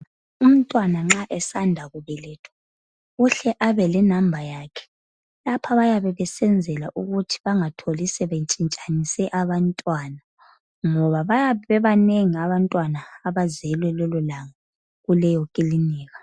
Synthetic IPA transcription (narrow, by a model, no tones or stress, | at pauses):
um̩tʼwanaŋ͡ǁaʔɛsandʱaɣuβɛlɛtʰɔ̥ | uɬɛʔaβɛlɛnambʱajaːkʰɛ̥ | lapʰaβajaβɛβɛsɛnd͡zʱɛlaʔuɣutʰi̥βaŋatʰolisɛβet͡ʃʼint͡ʃʼanisɛʔaβantʼwana | ŋɔβaβajaβɛβɛβaneŋiaβantʼwanaːβazɛlwɛlɔlɔlaŋa | ɣulɛjɔkʼiliniːɣḁ